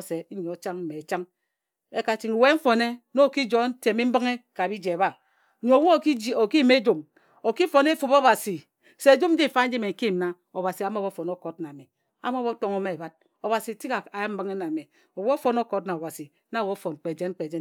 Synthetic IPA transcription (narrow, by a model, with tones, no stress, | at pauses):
se˨˦ɲe˨o˨t͡ʃa˦ŋm̩˦me˨t͡ʃa˦ŋ | e˦ka˦t͡ʃi˦ŋ˨we˦m̩˦fo˨ne˦no˦˨ki˦d͡ʒo˦n̩˦te˨mi˦m̩˦bɨ˦ŋe˦ka˨bi˦d͡ʒe˨βa˦˨ | ɲo˨wo˦˨i˦o˨ki˦me˦d͡ʒo˨m | o˨ki˦fo˨ne˦fu˨bo˦βa˨si˨ | se˨d͡ʒo˦n̩˦d͡ʒi˦˨˦fa˦n̩˦d͡ʒi˦me˨ŋ̩˨ki˦˨m̩˨na˦ | o˨βa˨si˨a˨mo˦bo˦fo˨no˦ko˦tna˨me˨ | a̰˨m˦o˦βo˦to˦ŋo˦me˦e˨ba˦t̚ | o˨βa˨si˨ti˦ka˨a˨ja˦m̩˦bɨ˦ŋe˦na˨me˨ | o˨wo˦fo˨no˦ko˨˦tna˨o˨ba˨si˨ | na˨˦˨wo˦fo˨n˨k͡pe˨d͡ʒe˦n˦k͡pe˨d͡ʒe˦